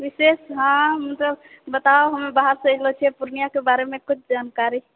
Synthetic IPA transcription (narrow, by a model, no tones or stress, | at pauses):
ʋisesɦãmət̪ləb | bət̪aoɦəmebaɦəɾsɪlot͡ʃʰɛpuɾnijakebaɾemẽkut͡ʃʰd͡ʒankaɾi